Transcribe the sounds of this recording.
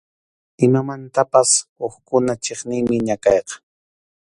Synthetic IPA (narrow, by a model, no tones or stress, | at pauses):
ɪmamant̪apasoχkʊnat͡ʃeχnɪŋmɪɲakɑjqɑ̥